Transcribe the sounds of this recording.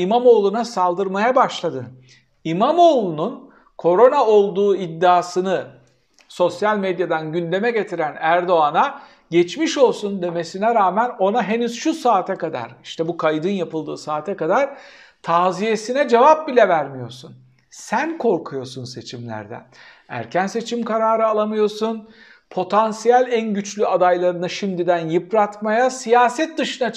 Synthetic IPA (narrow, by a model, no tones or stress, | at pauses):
imamo̞ːlˠunasalˠd̪ɯɾmajabaʃlˠad̪ɯ | imamo̞ːlˠunun | kʰo̞ɾo̞nao̞lˠd̪uːid̪ːaːsɯnɯ | so̞sjalʲmed̪jad̪anɟynd̪e̞mɛɟe̞t̪ʰiɾænæɾd̪o̞ana | ɟɛt͡ʃmiʃo̞lˠsund̪e̞me̞sinɛɾaːmæno̞naɦe̞nyz̥ʃusaːt̪ʰɛkad̪a̰ɾiʃt̪ʰɛbukʰajd̪ɯnjapɯlˠd̪ɯːsaːt̪ʰɛkad̪aɾ̥ | t̪ʰaːzije̞sinɛd͡ʒevap̚bilʲɛvæɾmijo̞̰ɾsun | sænkʰo̞ɾkʰujo̞sunse̞t͡ʃʰimlʲæ̰ɾd̪ɛ̰ | æ̰ɾcʰænse̞t͡ʃʰimkaɾaːɾɯalˠamɯjo̞sun | pʰo̞t̪ʰansijælʲænɟyt͡ʃlʲyad̪ajlˠaɾɯnaʃimd̪id̪ænjɯpɾat̪majasijaːsɛt̪̚d̪ɯʃɯna